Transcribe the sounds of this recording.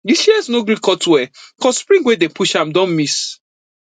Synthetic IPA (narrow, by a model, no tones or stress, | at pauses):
ɡisiɛsnoɡɾikɔtwɛkɔsspɾĩŋɡwedepuʃãm̩dɔ̃nmis